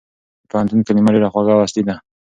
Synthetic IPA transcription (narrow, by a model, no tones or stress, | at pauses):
pahant̪unkanimaɾeɾaxwaɣawast̪id̪a